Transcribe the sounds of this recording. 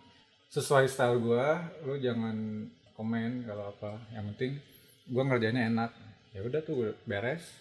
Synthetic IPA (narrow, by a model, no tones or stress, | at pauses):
səsuaist̪alɡualʊhd͡ʒaŋan | komɛnkaloapajaŋpənt̪ɪŋ | ɡuaŋərd͡ʒaɲaenak̚jaudaht̪ʊbeɾɛs